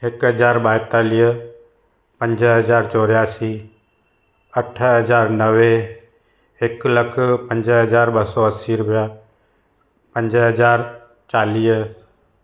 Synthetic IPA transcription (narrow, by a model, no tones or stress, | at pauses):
ekɦəd͡ʒaːɾbaːɪt̪aːliː | pə̃ɲd͡ʒɦəd͡ʒaːɾt͡ʃɔːɾjaːsiː | əʈʰɦəd͡ʒaːɾnəʋe | eːkləkʰpə̃ɲd͡ʒɦəd͡ʒaːɾbəsɔəsiːɾʊpja | pə̃ɲd͡ʒɦəd͡ʒaːɾ | t͡ʃaːliː